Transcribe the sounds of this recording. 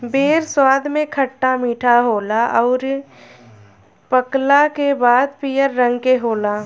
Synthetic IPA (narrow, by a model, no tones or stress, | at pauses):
beːɾswaːd̪ʱmẽkʰəʈːamiːʈʰaɦoːlaɔːɾ | pəklakebaːd̪̚piːjəɾːə̃ŋɡkeɦoːlaː